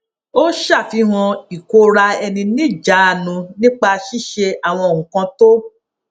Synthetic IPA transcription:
o˦ʃa˦˨fi˧˦w̃ɔ̃˧i˨ko˧ɾa˧ɛ˧nĩ˧nĩ˦d͡ʒa˨˦˨nũ˧nĩ˦k͡pa˧ʃi˦ʃe˧a˦˨w̃ɔ̃˧o˨ŋũ˨kã˧to˦

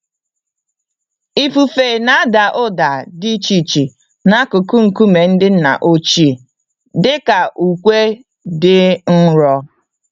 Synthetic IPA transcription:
i˦fu˨fe˨na˦a˦da˨ʔʊ˦da˨di˦t͡ʃi˨t͡ʃi˨ | na˦kʊ˨ku˦ŋ̩˨ku˦me˨n̩˦dɪ˦n̩˦na̰˨ʔo˦t͡ʃi˦˨ | dɪ˦ka˨ʔu˨kʷe˦ | dɪ˦n̩˦ɾɔ˦

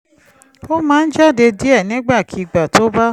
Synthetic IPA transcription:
o˦mãː˨˦n̩˦d͡ʒa˦˨de˧di˦ɛ˦˨nĩ˨˦ɡ͡ba˦˨kʰi˨˧ɡ͡ba˨to˦ba˦

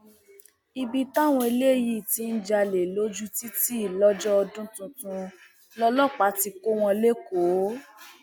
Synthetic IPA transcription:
i˧bi˧ta˦˨w̃ɔ̃˧i˧le˦˨ji˦˨ti˧˦n̩˦d͡ʒa˧le˨lo˦d͡ʒu˦ti˦ti˦i˦˨lɔ˦d͡ʒɔ˦ɔ˧dũ˦tũ˧tũ˧ | lɔ˧lɔ˦˨k͡pa˨˦ti˧ko˦w̃ɔ̃˧le˦ko˨˦

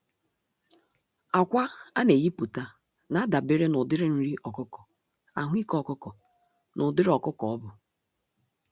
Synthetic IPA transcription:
a˨kʷa˦a˦ne˨ɣi˦pu˨ta˦ | na˦a˦da˨be˦ɾe˦nʊ˨dɪ˦ɾɪ˦n̩˦ɾi˦ʔɔ˨kʊ˦kɔ˨ | a˨ɦʷi˦kɔ˦˨kʊ˦kɔ˨ | nʔʊ˨dɪ˦ɾɔ˨kʊ˦kɔ˨ɔ˦bʊ˨

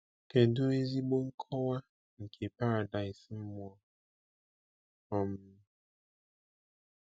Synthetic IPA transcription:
ke˨dʊ˦e˦zi˦ɡ͡bo˦ŋ̩˦kʰɔ˦wa˦ | ŋ̩˨kʰe˨pa˦ɾa˨da˨ɪ˨sm̩˦mʊ˦ɔ˦ | ɔ˨m˦

